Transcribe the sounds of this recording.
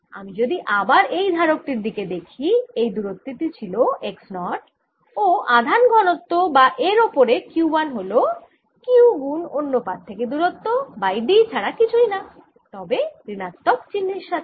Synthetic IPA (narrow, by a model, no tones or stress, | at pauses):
a̰mid͡ʑod̪iʔabaɾejd̪ʱaɾok̚ʈiɾd̪iked̪ekʰiejd̪uɾot̪ːitit͡ɕʰiloʔeksnɔʈ | oʔad̪ʱanɡʱɔnot̪ːobaʔeɾopoɾekjuubanɦolo | kiuɡunonːopat̪̚t̪ʰːeked̪uɾot̪ːobajɖit͡ɕʰaɽakit͡ɕʰujna | t̪ɔbepɾinat̪ːokt͡ɕinːiɾʃat̪ʰe̥